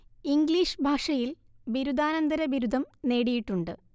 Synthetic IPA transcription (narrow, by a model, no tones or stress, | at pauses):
iŋɡliːʂɨbʱaːʂɐjil | biɾud̪ʱaːnɐnd̪ɐɾɐbiɾud̪ʱɐmne̞ːɽijiʈːuɳɖɨ̰